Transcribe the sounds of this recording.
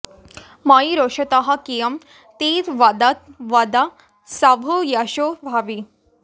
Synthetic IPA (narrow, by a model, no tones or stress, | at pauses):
maiɾoʂɐt̪aɦɐkijɐm | t̪iːt̪ʋɐd̪ɐt̪ʋɐd̪a | sabʱujaʃoʋʱaʋi